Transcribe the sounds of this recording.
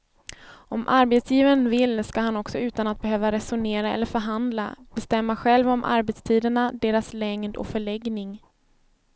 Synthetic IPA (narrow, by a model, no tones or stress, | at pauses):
ɔmʔaɾbɛt̪sjiːvənvɪlːskaɦanɔksɔʉ̟ːt̪anat̪̚bɛɦøːvaɾɛsʊɳeːɾaɛ̰lːəɾfœɾɦand̪la̰b̥ɛst̪ɛmːaɧɛlvɔmʔa̰ɾbɛt̪st̪ʰiːd̪əɳad̪eːɾaslɛŋd̪ɔ̰kfœɭɛɡnɪŋ